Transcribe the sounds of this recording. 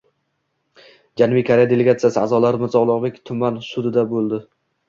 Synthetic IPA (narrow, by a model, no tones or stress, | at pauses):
d͡ʒanbɪjkʰaɾejad̪ele̞ɡʲat̪sijasɪazɒlaɾɪmɪzɒʁlˠɒʁbekʲt̪ʰʊmansʊd̪ɪd̪abolˠd̪ɪ